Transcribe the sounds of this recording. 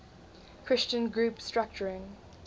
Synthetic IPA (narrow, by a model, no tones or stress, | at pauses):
kʰɹ̥ɪst͡ʃə̃nɡɹuːˑpstɹ̥ak̚t͡ʃəɹɪ̃ŋ